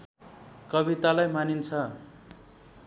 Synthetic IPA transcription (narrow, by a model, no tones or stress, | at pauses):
kʌβit̪alajmanint͡sʰʌ